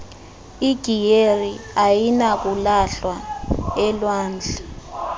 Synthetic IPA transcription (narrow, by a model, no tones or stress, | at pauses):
iɡ̥ʱijeriajinak̬ulaɬwaɛlwaːnd͡ɮʱa